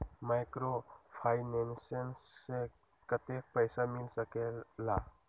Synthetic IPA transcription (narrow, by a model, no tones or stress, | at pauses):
majkɾopʰajnensensːe | kɐtek̚pɐjsamilsɐkela